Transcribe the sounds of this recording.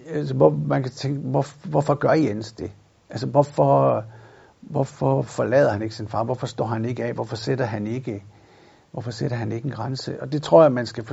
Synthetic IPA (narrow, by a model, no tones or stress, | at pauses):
ælsəʋɒmænkʰæt͡sʰeŋɡ̥əʋɒʋɒfɒ̽ɡ̥ɶɐien̰sd̥e̝ | ʔælsəʋɒfɒ̽ | ʋɒfɒfɒlɛ̰ːðˠɐhæne̝ɡ̥ə̥sinfɑ̈ːʋɒfɒsd̥ɒ̰ːhæne̝ɡ̥əɛ̰ːʋɒfɒ̽sed̥ɐɦæne̝ɡ̥ə | ʋɒfɒ̽seɾ̥ɐɦæne̝ɡ̥əenɡ̥ʁansəʔɒ̽d̥e̝t͡sʰʁo̝ɐ̰jæmænsɡ̥æf